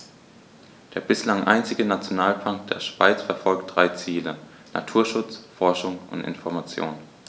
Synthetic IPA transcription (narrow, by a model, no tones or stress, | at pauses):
d̥eːɐbɪslaŋʔa̰ɪnt͡sɪɡənat͡sjonaːlfaŋkd̥eːɐʃv̥a̰ɪt͡sfɛɐfɔlk̚t̚d̥ʁaɪt͡siːlə | na̰tʰuːɐʃʊt͡sfɔɐʃʊŋʊ̰ntɪ̰nfɔɐmat͡sjo̰ːn